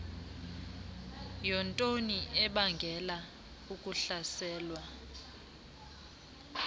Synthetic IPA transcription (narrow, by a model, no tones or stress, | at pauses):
jɔntʼoniʔɛɓaŋɡʱɛla | ukʼuɬasɛːlwa